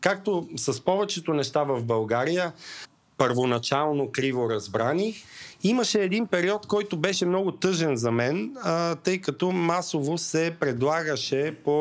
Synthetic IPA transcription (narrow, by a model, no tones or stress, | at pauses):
kak̚t̪osɐspɔvɛt͡ʃɛt̪onɛʃt̪avɐvbɐlˠɡaɾijə | pəɾvonɐt͡ʃalˠnokɾivoɾɐzbɾaniximəʃɛːd̪inpɛɾiɔt̪kɔjt̪obɛʃɛmnɔɡʊt̪ɤʒɛnzɐmɛnt̪ɤjkɐt̪ɔmasovosɛpɾɛd̪lˠaɡəʃɛpo